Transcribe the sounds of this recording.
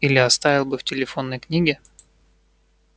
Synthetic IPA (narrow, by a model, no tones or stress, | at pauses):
ilʲɪɐst̪avʲɪlˠbɨftʲɪlʲɪfo̞nːəjknʲiɡʲɪ